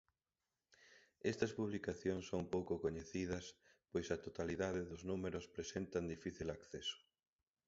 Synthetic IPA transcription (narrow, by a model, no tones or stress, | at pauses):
ɛst̪ɐspuβlikaθjoŋsːoŋpowkʊkoɲeθiðɐs | pojsɐt̪ot̪aliðaðɪðʊznumeɾʊspɾesent̪ɐnd̪ifiθilakθesʊ̥